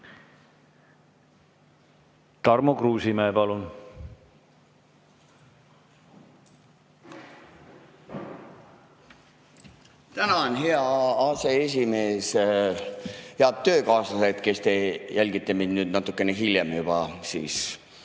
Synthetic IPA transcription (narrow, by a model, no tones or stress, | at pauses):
t̪ɑrmukruːsimeːpɑlun | t̪ænɑonʲɦe̞ɑɑːse̞es̬ʲimeːs | heɑt̪t̪ːø̞ːkɑːsɑset̪ke̞st̪e̞jælʲɡ̥it̪ːˑeminnyːd̪nɑt̪ːˑukːˑe̞neɦiljemjub̥ɑ̰sḭːs